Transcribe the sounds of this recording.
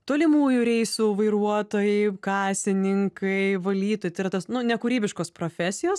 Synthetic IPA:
t̪oːlʲɪmuːjʊɾʲɛɪsuʋɐɪɾuɔt̪oːjɛɪkɑːsʲɪnʲɪŋkʰɐɪʋɐlʲiːt̪oːjɪt̪ɐɪɾɐt̪ɐsnʊnʲɛkʊɾʲiːbʲɪʃkoːspɾoːfʲæːsʲɪjoːs

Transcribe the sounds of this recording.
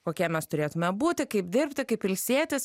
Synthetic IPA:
koːkʲiɛmʲɛst̪ʊɾʲeːt̪ʊmʲɛbuːt̪ʲɪkɐɪpd̪ʲɪrʲpʲt̪ʲɪkɐɪpʋʲɪlʲsʲiɛt̪ʲɪs

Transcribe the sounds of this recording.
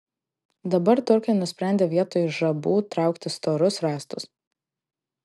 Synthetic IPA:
d̪ɐbɐɾt̪ʊɾʲkʲɐɪnʊsʲpʲɾʲæˑnʲd̪ʲeːʋʲiɛt̪oːjʊʒɐbuːt̪ɾɑˑʊkt̪ʲɪst̪oːɾʊsɾɑːst̪ʊs

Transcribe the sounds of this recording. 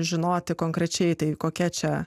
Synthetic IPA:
ʒʲɪnoːt̪ʲɪkoːŋkɾʲɛt͡ʃʲɛɪt̪ɐɪkoːkʲɛt͡ʃʲɛ

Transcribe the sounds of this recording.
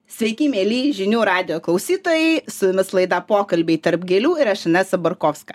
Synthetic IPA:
sʲʋʲɛɪkʲiːmʲeːlʲiːʒʲɪnʲuːɾɑːd̪ʲɪjoːklˠɐʊsʲiːt̪oːjɛɪsʊɪmʲɪslˠɐɪd̪ɑpoːkɐlʲbʲɛɪt̪ɐɾpɡʲɛlʲuːɪɾɐʃɐnʲɛsɐbɐɾkoːfskɐ

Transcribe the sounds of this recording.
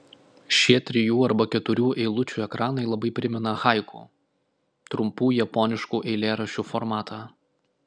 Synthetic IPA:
ʃʲiɛt̪ʲɾʲɪjuːɐɾbɐkʲɛt̪ʊɾʲuːʔɛɪlˠʊt͡ʃʲuːɛkɾɑːnɐɪlˠɐbɐɪpʲɾʲɪmʲɛnɐxɑˑɪkṵː | t̪ɾʊmpuːjɛpɔnʲɪʃkuːʔɛɪlʲeːɾɐʃʲuːfɔɾmɑːt̪ʰɑː

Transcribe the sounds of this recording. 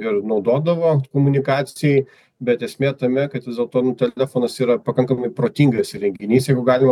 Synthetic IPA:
ɪɾnɐʊd̪oːd̪ɐʋoːkoːmʊnʲɪkɑːsʲɪjɛɪ | bʲɛt̪ɛsʲmʲeːt̪ɐmʲɛkɐt̪ʋʲɪzdʲeːlˠt̪oːnʊt̪ʲɛlʲæfoːnɐsiːɾɐpɐkɐŋkɐmɐɪpɾoːt̪ʲiŋɡɐsɾʲɛŋʲɡʲɪnʲiːsjɛɪɡʊɡɑːlʲɪmɐ

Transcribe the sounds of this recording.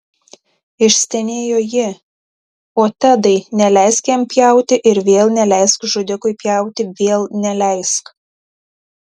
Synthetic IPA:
ɪʃʲsʲt̪ʲɛnʲeːjoːjɪ | oːt̪ʲɛd̪ɐɪnʲɛlʲɛɪskʲɛmpʲjɛˑʊt̪ʲɪʔɪɾʋʲeːlˠnʲɛlʲɛɪskʒʊd̪ʲɪkʊɪpʲjɛˑʊt̪ʲɪʋʲeːlˠnʲɛlʲɛɪsk

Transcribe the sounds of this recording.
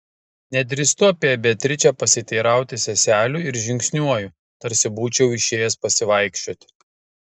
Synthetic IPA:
nʲɛd̪ʲɾʲɪst̪ʊɐpʲiɛbʲɛt̪ʲɾʲɪt͡ʃʲɛpɐsʲɪt̪ʲɛɪɾɑˑʊt̪ʲɪsʲɛsʲæːlʲuːɪɾʒʲɪŋʲksʲnʲuɔju | t̪ɐɾʲsʲɪbuːt͡ʃʲɛʊɪʃʲeːjɛspɐsʲɪʋɐɪkʃʲt͡ʃʲoːt̪ʲ

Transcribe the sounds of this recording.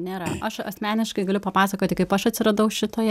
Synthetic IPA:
nʲeːɾɐ̰ʔɐʃɐ̰sʲmʲæːnʲɪʃkɐɪɡɐlʲʊpɐpɑːsɐkoːt̪ʲɪkɐɪpɐʃɐt̪ʲsʲɪɾɐd̪ɐʊʃʲɪt̪oːjɛ

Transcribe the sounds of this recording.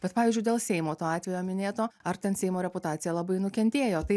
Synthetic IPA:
b̥ʲɛt̪pɑːʋʲiːzʲd͡ʒʲʊɪd̪ʲeːlˠsʲɛɪmoːt̪oːɑːt̪ʲʋʲɛjoːmʲɪnʲeːt̪oːɐɾt̪ʲɛnsʲɛɪmoːɾʲɛpʊt̪ɑːt͡s̪sʲɪjɛlˠɐbɐɪnʊkʲɛnʲt̪ʲeːjoːt̪ɐɪ

